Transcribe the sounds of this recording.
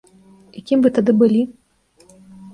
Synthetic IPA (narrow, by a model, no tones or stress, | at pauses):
ikʲimbɨt̪ad̪ɨbɨlʲi